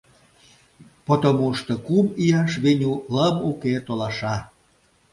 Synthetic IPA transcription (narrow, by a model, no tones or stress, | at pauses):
pot̪omuʃt̪okumijɑʃβenʲuləmuket̪olɑʃɑ